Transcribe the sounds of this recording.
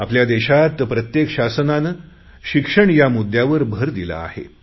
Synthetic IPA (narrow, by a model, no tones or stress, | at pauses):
apljad̪eɕat̪pɾət̪jekɕasnanə | ɕikʂəɳjamud̪jaʋəɾbʱəɾd̪ila̰ːhḛ